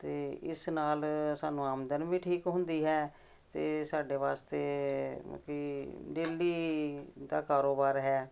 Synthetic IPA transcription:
t̪eːɪ̰snaːlsaːnũːaːmd̪ənʋĩːʈʰiːkɦʊ̃nd̪iːɦɛː | t̪eːsaːɖeːʋaːst̪ḛː | kiːɖeːlːiːd̪a̰ːkaːɾoːbaːɾɦɛː

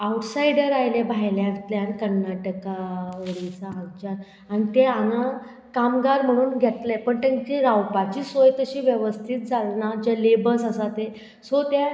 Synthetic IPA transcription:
awʈsajɽəɾajlebʱajljãnt̪ljankəɾnaʈəkaʋəɽit͡saːɡt͡ɕaɾ | anit̪eana | kamɡaɾm̤əɽ̃uːnɡʱɛt̪lapəɳt̪ãnt͡ɕiɾawpat͡ɕiːsojt̪əɕiːʋjəʋəst̪ʰiːt̪̚d͡zʱalnad͡ʑalebəsasat̪e | sot̪ja

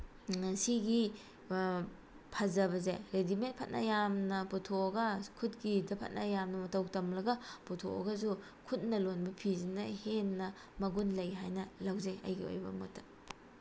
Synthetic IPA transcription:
siɡi | pʰɐzɐβɐzḛɾedimet̚pʰɐt̚nɐ̰jamnɐputʰoɡɐkʰut̚ɡidɐpʰɐ̰t̚nʔɐjamnɐmɐtɐwtɐmlɐɡɐputʰo̰ɐ̰ɡɐzu | kʰut̚nɐlonbɐpʰizinɐhenːɐ | mɐɡunlɐjɦajnɐlawzeɐ̰jɡio̰jbɐ̰mɐ̰tʰɐ̥

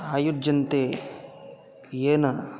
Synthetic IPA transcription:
aːjud͡ʒɐnt̪eː | eːnɐ

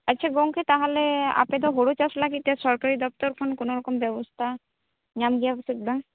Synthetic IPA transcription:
ɐtːɕʰaɡoŋkʰet̪aɦolea̰ped̪oɦoɽot͡ɕaslaɡit̪esɔɾkaɾid̪ɔpt̪ɔɾkʰonkonoɾɔkombɛbost̪ʰa | ɲamɡijasik̚d̪a

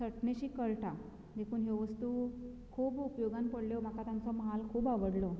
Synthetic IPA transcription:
səʈneɕiːkəɭʈʰa | d̪ekʰuːnɦeʋəst̪uː | kʰuːbupjoɡanpəɽljɔm̤akat̪jant͡sɔməɦalkʰuːbaʋəɽlɔ

